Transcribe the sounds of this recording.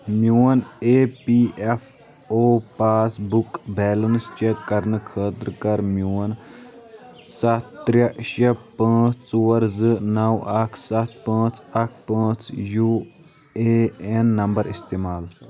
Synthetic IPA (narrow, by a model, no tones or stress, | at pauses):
mjuːɐneːpiːef | oːpaːsbukbɛːlɐnst͡ʃekːɐɾnɨkʰəːt̪ɾkɐɾmjuːɐn | sɐt̪ɾjɐʃɐpãːt͡st͡suːɐɾzɨnɐwɐkʰsɐt̪̚ʰpãːt͡sɐkʰpãːt͡sjuː | eenːɐmbɐɾist̪eːmaːl